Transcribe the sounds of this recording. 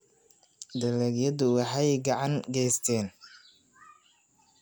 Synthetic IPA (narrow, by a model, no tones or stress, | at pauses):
d̪ɐlɛɡjɐðʊwɑħɑjɡɑʕɑŋɡɛjst̪ʰɛːn